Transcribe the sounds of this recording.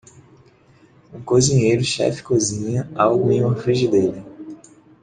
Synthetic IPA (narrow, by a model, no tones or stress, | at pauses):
ũkozĩɲejɾʊʃɛ̰fɪ̥kozĩɲɐawɡʊẽj̃ũmɐfɾiʒɪd̪elɪ